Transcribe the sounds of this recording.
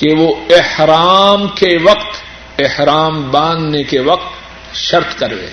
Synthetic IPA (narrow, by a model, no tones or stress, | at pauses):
keʋoɪhɾaːmkeʋɐqt̪ | ɪhɾaːmbãːnd̪nekeʋɐq̚t̪ | ʃɐɾt̪kɐɾʋḛː